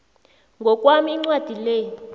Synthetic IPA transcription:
ŋɡʱɔk̬ʼwamiːŋ͡ǀwad̥ʱileːj

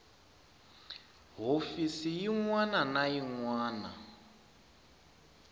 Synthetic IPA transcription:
ɦofisijiŋwananajiŋwaːna̰

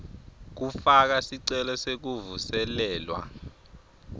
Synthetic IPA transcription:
k̬ufak̬asiǀɛlɔsek̬uvusɛlɛːlwa̰

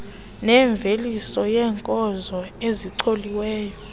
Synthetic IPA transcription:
nɛɱb̪vʱelisɔjɛːŋkʼɔzɔeziǀʰoliwɛːjɔ

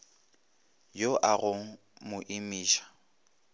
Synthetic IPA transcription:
joʔaɣʊŋ̩ | mʊʔimiːʃḁ

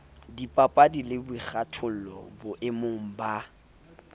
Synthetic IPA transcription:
dipʼapʼadilɪbʊik͡xatʰʊl̩lɔ̰bʊʔɪmʊŋ̩ba

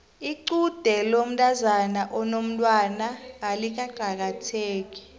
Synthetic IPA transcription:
iǀud̥ʱɛlom̩tʼazanaʔɔnom̩tʼwanaːlik̬aǃʱak̬atʰeːk̬ʼi̥

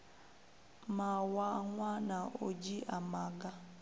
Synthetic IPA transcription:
mawaŋwanaʔod͡ʒiʔamaɡa

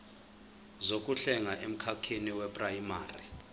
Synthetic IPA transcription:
zok̬ʼuɬɛŋaʔem̩kʰakʰeniwɛpʼrajimaːrḭ

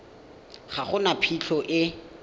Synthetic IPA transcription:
χaχʊnapʰit͡ɬʰɔʔɪ

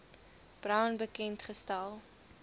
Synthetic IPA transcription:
b̥rœwnbəkɛntχəstɐlˠ

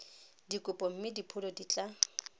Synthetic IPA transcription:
dikʼʊpʼɔm̩mɪdipʰʊlɔdit͡ɬʼa

